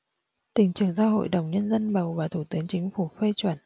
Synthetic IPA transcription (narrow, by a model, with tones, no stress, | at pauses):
t̪ï˨˩ŋ̟t͡ɕɨ˨˩əŋzaː˧ɦo̰˧˨jɗə˨˩wŋ͡mɲə˧nzə˧nɓə˨˩wvaː˨˩t̪ʰu˧˩t̪ɨ˨˦əŋt͡ɕï˨˦ŋ̟fu˧˩fe˧t͡ɕwə˧˩n